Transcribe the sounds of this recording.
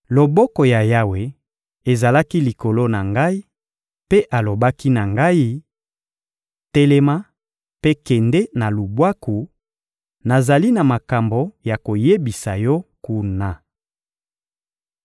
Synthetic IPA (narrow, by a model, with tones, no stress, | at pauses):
lo˨bɔ˦kɔ˨ja˨ja˦we˨ | e˨za˨la˦ki˦li˨ko˨lo˦na˨ŋɡa˦i˦ | pe˦ʔa˨lo˨ba˦ki˦na˨ŋɡa˦i˦ | tɛ˦le˦ma˦ | pe˦kɛ˨nde˦na˨lu˨bwa˦ku˨ | na˨za˨li˦na˨ma˨ka˨mbo˨ja˨ko˨je˦bi˨sa˨jɔ˦ku˦na˨